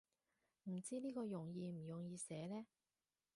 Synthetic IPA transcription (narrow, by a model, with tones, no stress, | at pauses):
m̩˨˩t͡siː˥niː˥kɔː˧jʊ˨˩ŋjiː˧m̩˨˩jʊ˨ŋjiː˨˧sɛː˨˥lɛː˥